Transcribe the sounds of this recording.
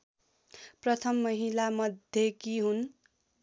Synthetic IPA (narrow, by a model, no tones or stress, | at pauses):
prʌt̪ʰʌmːʌɦilamʌd̪ʱjʌkiɦun